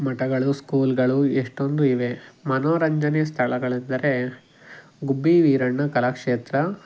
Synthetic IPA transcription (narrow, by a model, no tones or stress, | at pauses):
mɐʈɐɡɐɭuskuːlɡɐɭueʂʈo̞nd̪uiʋe̞mɐnoːɾɐɲd͡ʒɐnest̪ʰɐɭɐɡɐɭind̪ɐɾe̞ | ɡubːiʋiːɾɐɳːɐkɐlaːkʂeːt̪ɾɐ